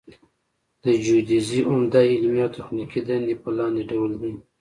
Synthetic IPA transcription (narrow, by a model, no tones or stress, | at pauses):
d̪̥əd͡ʒud̪iziʔʊmd̪aɪlmiawt̪axnikid̪and̪ipəlɑnd̪eɖawəldi